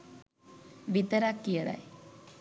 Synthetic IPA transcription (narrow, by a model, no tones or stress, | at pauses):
ʋit̪əɾakːijəɽa̰j